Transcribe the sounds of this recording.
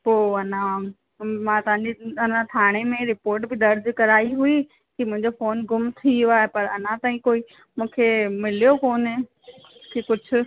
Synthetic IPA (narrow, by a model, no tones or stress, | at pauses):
poːɐnã | mãt̪ɐʋãɲd͡ʑiɐnãt̪ʰaːɽ̃emẽɾɪpoːɾʈbɪd̪ɐɾd̪kɐɾaːiɦui | kimʊ̃ɦɪ̃ɲd͡ʑofoːnɡʊmt̪ʰiaːɦepɐɾɐn̤ãt̪aːĩkoːi | mũːkʰemɪlijokoːn | kʰekʊd͡ʑʱʰʊ̆